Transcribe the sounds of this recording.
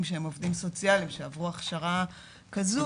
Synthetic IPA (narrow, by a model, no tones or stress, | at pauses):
mʃeemo̞vd̪imso̞t͡sjalimʃeavʁuaχʃaʁa | kazu